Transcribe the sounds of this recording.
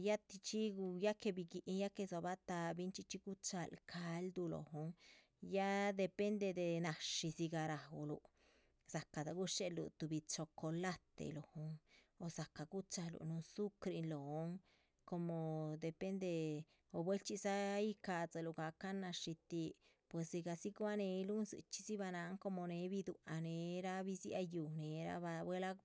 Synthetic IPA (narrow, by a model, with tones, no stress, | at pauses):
ja˦t̪i˧t͡ʃi˦ɡu˧ja˦ke˧bi˧ɡi˧ʔi˧ja˦ke˧so˧βa˦t̪a˧bi˦nt͡ʃi˦˧t͡ʃi˦ɡu˦t͡ʃa˧lkʰa˧˦ld̪u˧lo̰˨ɦo˧˦ŋ | ja˦d̪e˧pe˦nd̪e˧d̪e˧nã˧ʃi˧si˧ɡa˧ɾa˧o̰˧lṵ˧ | sa˨ka˨t̪a˧ɡu˦ʂe˦lṵ˧t̪u˧βi˧t͡ʃo˧ko˧la˦t̪ḛ˧lo˨ho˧ŋo˧sa˨ka˨ɡu˦t͡ʃa˧lṵ˨nu˧nsu˦kɾi˧nlo˨o˦ŋ | ko˧mo˨d̪e˨pe˦nd̪e˧ | o˧bwe˦lt͡ʃi˧sa˦i˦ka˧t͡sa˧lu˨ɡa˨˧ka˦na˧ʂi˧t̪i˧ | pwe˨si˧ɡa˧si˦ɡwa˦ne˧˦lu˦nzɨ̰˧˨t͡ʃi̥˦si˦βa˧na˨˧˦ŋko˧mo˧ne˨˧˦βi˧d̪u˧a˧ne˨˧˦ɾa˦βi˦si˦a̰˧ju˧ne˨˦ɾa̰˦βa˧bwe˦la˦